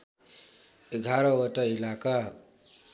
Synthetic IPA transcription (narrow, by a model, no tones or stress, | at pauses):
eɡʱaɾʌwʌʈʌilaka